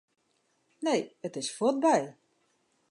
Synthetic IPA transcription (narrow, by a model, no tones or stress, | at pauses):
nejətɪsfɔt̚bɛj